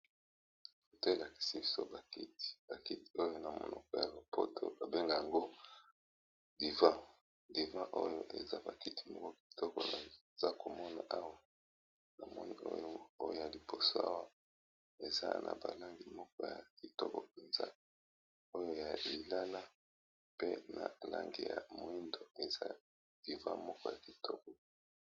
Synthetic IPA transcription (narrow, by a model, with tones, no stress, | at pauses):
ko˨te˦˨la˨ki̥˨si˦bi˦so˦ba˨ki˦ti̥˨b̥a˨ki˦ti̥˨o˦jo˦na˨mo̰˨nɔ˨kɔ˨ja̰˨ba˨po̰˦tʰo̰˦a˨be˦ŋɡa˨ja˨ŋɡo˦ | di˨vã˦ | di˨vã˦ʔo˦jo˦ʔḛ˨za˦ba˨ki˦tʰi̥˨mɔ˦kɔ˦ki̥˨tɔ˦kɔ̰˨na˨ | za˦ko˨mɔ˦na˨ʔa˦wa˦ | na˨mɔ˦ni˦o̰˦jo˦o˦jo̰˦˨ja˨li˨po˨so˦a̰˦wa˦ | e˨za̰˦nʔa̰˨ba˨la˦ŋɡi˨mɔ˦kɔ˦ja˨ki˨tɔ˦kɔ˨pe˨nza̰˦ | o˦jo˦ja˨li˨la˦la˦ | pe˦na˨la̰˦ŋɡḭ˨ja̰˨mo˨i˦ndo˨e˨za̰˦ | d̥i˨vã̰˦mɔ˦kɔ˦ja˨ki˨tɔ˦kɔ˨